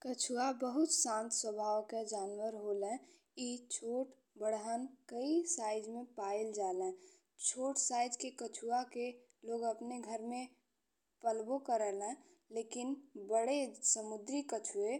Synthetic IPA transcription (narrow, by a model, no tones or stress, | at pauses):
kət͡ʃʰuabəɦut̪sãnt̪swəbʱaːwked͡ʒaːnwəɾɦolẽ | it͡ʃʰoːʈ | bəɽɦənkəisaɪd͡ʒmẽpaild͡ʒalɛ̃ | t͡ʃʰoːʈsaɪd͡ʒkekət͡ʃʰuake | loːɡəpneɡʱəɾmẽ | pəlbokəɾəlɛ̃ | lekinbəɽesəmud̪ɾikət͡ʃʰue